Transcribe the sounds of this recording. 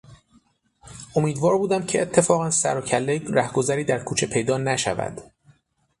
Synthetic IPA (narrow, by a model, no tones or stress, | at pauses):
ʔo̞miːd̪vɒːɾbuːd̪æmcʰeʔet̪ʰːe̞fɒːɣænsæ̰ɾocʰælːeɾæhɡo̞zæɾiːd̪æɾkʰuːt͡ʃʰe̞pʰe̞jd̪ɒːnæʃæ̰væ̰d̪̥